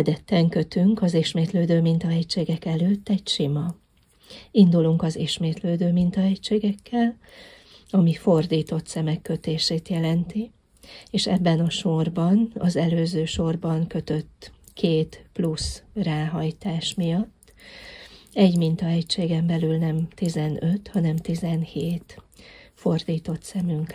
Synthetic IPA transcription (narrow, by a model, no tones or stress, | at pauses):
ɛd̪ɛt̪ːɛŋkø̞t̪yŋkɒziʃmeːt̪løːd̪øːmint̪ɒɦɛct͡ʃʃeːɡɛkɛløːt̪ːɛɟʃimɒ | ind̪uluŋkɒziʃmeːt̪løːd̪øːmint̪ɒɛct͡ʃeːɡɛkːɛl | ɒmifo̞rd̪iːt̪o̞t̪sɛmɛkːø̞t̪eːʃeːt̪jɛlɛnt̪i | eːʃɛbːɛnɒʃo̞rbɒnɒ̰zɛløːzøːʃo̞rbɒŋkø̞t̪ø̞t̪ːkʰeːt̪plusraːɦɒjt̪aːʃmijɒt̪ː | ɛɟmint̪ɒɛct͡ʃeːɡɛmbɛlylnɛmt̪izɛnø̞t̪hɒnɛmt̪izɛnheːt̪fo̞rd̪iːt̪o̞t̪sɛmyŋk